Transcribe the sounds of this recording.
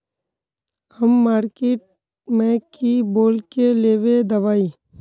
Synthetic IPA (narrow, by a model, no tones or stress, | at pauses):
həmːaːɾkeːʈ̚ | mɛ̃kiboːlkeleːʋed̪ɐʋaːi